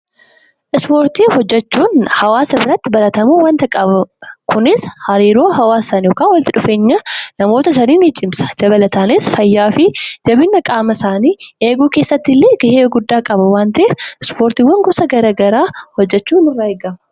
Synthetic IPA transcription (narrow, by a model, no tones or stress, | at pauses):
ʔɪspo̞ːɾt̪iːhɔd͡ʒːɛt͡ʃːuːnhɐwaːsɪrːɐt̪ːɪbɐɾɐt̪ɐmuːwɐnt̪ɐkʼɐbɐkʰʊnɪshɐɾiːɾo̞ːhɐwaːsɐnjoːkaːwɐlt̪ɪᶑʊfe̞ːɲːɐnɐmo̞ːt̪ɐs̬ɐniːnit͡ʃʼɪmsɐ̥d͡ʒɐbɐlɐt̪aːnɪsfɐjːaːfɪd͡ʒɐbɪnːɐkʼaːmɐsaːniːeːɡuːkeːsːɐt̪ːɪlːeːɡɐheːɐɡʊd̪ːaːkʼɐbɐwaːnt̪ɐɪɪspoːɾt̪iːwːɐŋɡʊsɐɡɐɾaːɡɐɾaːhɔd͡ʒːɛt͡ʃːuːnɪrːaːeːɡɐmɐ